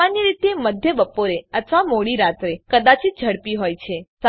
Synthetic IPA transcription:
anjiɾit̪eməd̪ʱjəbəpoɾeət̪ʰʋamoɽiɾat̪ɾekəd̪at͡ʃid͡ʒʱəɽpiɦojt͡ʃʰes

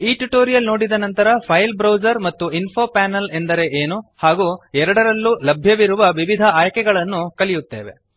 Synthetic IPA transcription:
iːʈuʈoːɾijɐlno̞ːɽid̪ɐnɐnt̪ɐɾɐpʰɐjlbɾɐwd͡ʒɐɾmɐt̪ːuinpʰo̞ːpaːnɐlend̪ɐɾe̞ʔeːnuhaːɡuːɛɾɐɽɐɾɐlːulɐbʱjɐʋiɾuʋɐʋiʋid̪ʱɐaːjɐkɛɡɐɭɐnːukɐlijut̪ːḛːʋe̞̰

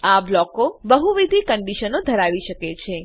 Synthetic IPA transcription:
ablɔkobəɦuʋid̪ʱikəɳɖiʃənod̪ʱəɾaʋiʃəket͡ʃʰe

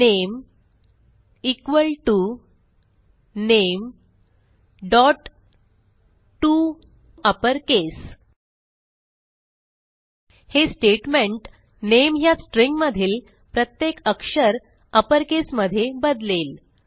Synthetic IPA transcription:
nem | ikʋəlʈu | nem | ɖɔʈ | ʈːu | əpəɾkes | hesʈeʈmẽɳʈ | nemɦjasʈɾiŋɡməd̪ʱiːl | pɾət̪jekəkʂəɾ | əpəɾkesməd̪ʱːjebəd̪lel

